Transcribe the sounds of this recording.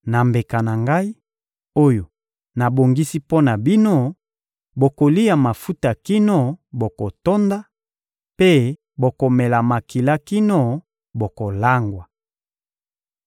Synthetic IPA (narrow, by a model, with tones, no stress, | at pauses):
na˨mbe˨ka˨na˨ŋɡa˦i˦ | o˦jo˨ | na˨bo˨ŋɡi˦si˦po˦na˨bi˦no˦ | bo˨ko˨li˦ja˨ma˨fu˦ta˨ki˦no˦bo˨ko˨to˦nda˦ | pe˦ | bo˨ko˨mɛ˨la˨ma˨ki˨la˦ki˦no˦ | bo˨ko˨la˦ŋɡwa˨